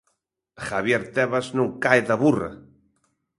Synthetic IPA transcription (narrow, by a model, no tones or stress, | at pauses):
xaβjeɾt̪eβaznukaeðaβura̰